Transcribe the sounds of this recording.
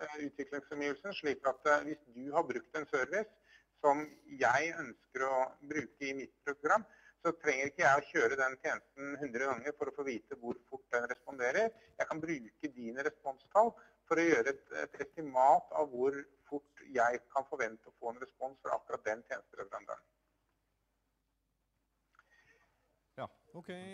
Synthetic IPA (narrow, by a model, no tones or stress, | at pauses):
ʉːt̪ʰʋɪklɪŋsfɔmiːʋəlsənʂɭiːkɑt̪ʋɪsd̪ʉɦɑbɾʉkt̪ɛnsœɾʋɪsː | ɔmjæɪœnskəɾɔbɾʉːkəɪmɪt̪̚pʰɾʊɡɾɑmː | sɔt̪ʰɾɛŋːəɾɪkːəjæɪɔçøːɾəd̪ɛnt̪ʰjeːnəst̪n̩ɦʉnd̪ɾəɡɑŋːəɾfɔɾɔfoːʋiːt̪əʋʊɾfʊʈ̚ːd̪ɛnɾɛspɔnd̪eːɾəɾ | jæɪkʰɑnbɾʉːkəd̪iːnəɾɛspɔnst̪ʰɑlː | fɔɾɔjøːɾəɛt̪ɛ̰t̪ɛst̪ɪmɑːt̪ʰɑ̰ʋʋʊɾfʊʈːjæɪkʰɑnfɔɾʋɛnt̪əɔfoːɛnɾɛspɔnsfɔɾɑ̰kɾɑt̪̚d̪ɛnt̪ʰjeːnəst̪əɾɛʋəɾɑnd̪ə̰ɳ